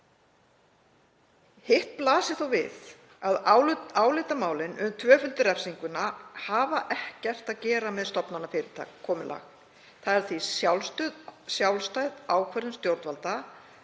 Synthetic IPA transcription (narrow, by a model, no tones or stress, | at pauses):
hɪhplaːsɪθowvɪ̰ð | aðaːwlɪt̪amaːwlɪnʏmt̪ʰvœːfʏlt̪ʏɾɛfsiŋkʏnahaːvaʔɛhcɛr̥t̪aðcɛːɾamɛðst̪ɔpnanːafɪːɾɪt̪ʰa̰ːkʰːɔːmɪla̰ːx | θaðɛɾ̥θvisjawlst̪œːðsjawlst̪aːjðaːwkʰvɛɾɪnst̪jowɾt̪valt̪a